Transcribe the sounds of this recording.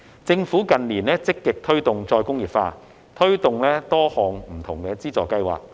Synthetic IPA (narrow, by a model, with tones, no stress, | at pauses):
t͡sɪ˧ŋfuː˨˥kɐ˨nliː˨˩nlɛː˥t͡sɪ˥kːɪ˨k̚t̪ʰɵ˥ɥt̪ʊ˨ŋt͡ʃɔː˧jkʊ˥ŋjiː˨˩pfaː˧ | t̪ʰɵ˥ɥt̪ʊ˨ŋlɛː˥t̪ɔː˥hɔː˨ŋm̩˨˩t̪ʰʊ˨˩ŋkɛː˧t͡siː˥t͡sɔː˨kːɐ˥jwa̰ː˨k̚